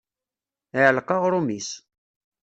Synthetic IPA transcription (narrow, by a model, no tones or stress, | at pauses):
əʕlqɑʁɾumis